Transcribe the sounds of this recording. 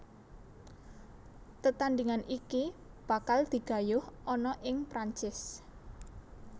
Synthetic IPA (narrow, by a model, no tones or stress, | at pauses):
t̪ət̪and̪iŋaniki | b̥ä̤kald̪̥i̤ɡ̥a̤jʊhʔɔnɔʔɪŋpɾaɲt͡ʃɪs